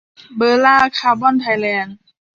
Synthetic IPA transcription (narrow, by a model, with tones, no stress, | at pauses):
bɤː˧˩laː˥˩kʰaː˧˩bɔː˥˨nt̪ʰa˧jlɛː˧˩n